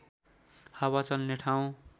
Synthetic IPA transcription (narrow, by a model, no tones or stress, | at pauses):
hawat͡sʌlneʈʰaw̃